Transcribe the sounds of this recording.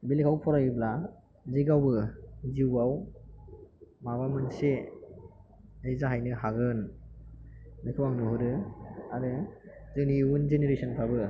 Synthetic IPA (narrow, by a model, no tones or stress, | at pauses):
bilikʰawpʰɔɾajɯbla | ziɡawbɯziwaw | maβamɯnse | ejzaɦajnɯɦaɡɯn | nɯkʰɯwaŋnɔɦɯɾɯaɾɯzɯŋniwunzeneɾesɔnpʰabɯ